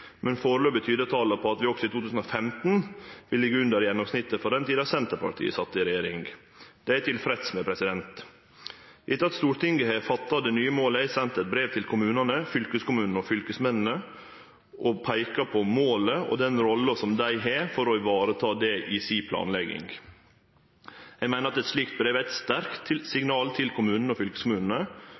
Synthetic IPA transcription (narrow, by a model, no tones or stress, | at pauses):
mʔɛnfoːɾəløːbət̪ʰyːd̪ət̪ʰɑːləpʰɔɑt̪ʋɪɔksɔɪt̪ʰuːt̪ʉːsn̩ɔfɛmt̪n̩ʋɪlːɪɡəʉnd̪əɾjɛnːɔmsnɪt̪ːəfɔd̪ɛnt̪ʰiːd̪ɑsɛnt̪əɾpʰɑ̰ʈʰḭːə̰sɑt̪ːɪɾɛjeːɾɪŋ | d̪̥ɛæɪt̪ʰɪlfɾɛt̪smɛpʰɾɛsɪd̪ɛnt̪ | ʔɪt̪ːəɑt̪st̪uːɾʈ̪ɪŋɡəhɛfɑt̪ːɑd̪ɛnyːəmoːləæɪsɛnt̪ɛt̪̚bɾeːʋt̪ʰɪlkʰʊmʉːnənəfʏlkəskʊmʉːnnəɔfʏlkəsmɛnn̩ə | ʔɔpʰæɪkɑpʰɔmoːləɔ̰d̪ɛnɾɔlːəsɔmd̪æɪɦɛfɔɾɔɪʋɑːɾət̪ʰɑːd̪ɛʔɪsipʰlɑ̰ːnlɛɡɪ̰ŋ | jɛɪmæɪnəɾɑt̪ɛt̪sliːkt̪̚bɾeːʋæɪt̪st̪æɾkt̪ʰːɪlsɪŋnɑːlt̪ʰɪlkʰʊmʉːnən̩əɔfʏlkə̥skʊmʉːnən̩ə